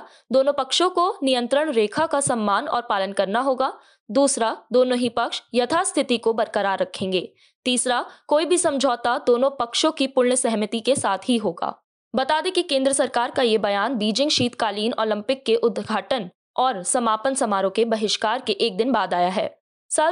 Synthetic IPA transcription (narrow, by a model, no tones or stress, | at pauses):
d̪oːnõpɐkʃõkonijə̃nt̪ɾəɽ̃ɾeːkʰakasɐmːaːnɔ̰ːɾpaːlənkɐɾnaɦoːɡaː | d̪uːsɾad̪oːnõɦipɐkʃjɐt̪ʰast̪ʰɪt̪ikobɐɾkəɾaːɾːɐkʰẽːŋɡeː | t̪iːsɾakoːibʱisɐ̃md͡ʒʱɔːt̪ad̪oːnõpɐkʃõkipʊlɳsɛɦmət̪ikesaːt̪ʰɦiɦoːɡa̰ː | bɐt̪aːd̪ekikẽːnd̪ɾəsɐɾkaːɾkajebɐjaːnbiːd͡ʒɪ̃ŋɡʃiːt̪kaːliːnɔːlə̃mpɪkːeʔʊd̪ɡʱaːʈən | ɔːɾsɐmaːpənsɐmaːɾõkebɐɦɪʃkaːɾkeʔeːk̚d̪ɪnbaːd̪aːjaɦɛ̰ː | sa